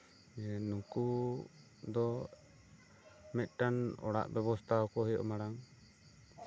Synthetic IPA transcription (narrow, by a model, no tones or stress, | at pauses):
nuku | d̪ɔ | mɛt̪̚ˀʈanɔ̰ɽa̰ʔbɛβɔst̪ʰaɔkɔɦɔjɔ̰ʔmaɽaŋ